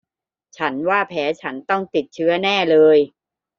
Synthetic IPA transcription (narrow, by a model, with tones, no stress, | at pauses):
t͡ɕʰa˦˥nwaː˥˩pʰɛː˩˦˥t͡ɕʰa˦˥nt̪ɔ˥˩ŋt̪i˨˩t̪̚t͡ɕʰɯ˦˥ɐnɛː˥˩lɤː˧j